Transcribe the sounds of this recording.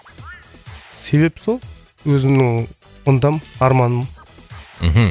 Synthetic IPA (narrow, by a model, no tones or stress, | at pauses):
se̞βe̞psolˠ | wɵzɪmnɪŋ | ʊnd̪ɑmɑɾmɑnəm | m̩ɦm̩